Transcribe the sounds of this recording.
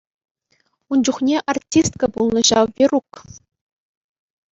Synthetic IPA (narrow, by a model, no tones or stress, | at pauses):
und͡ʑuχnʲeʔartʲist̪kabulˠnɤ̆ʑɑʋʲiruk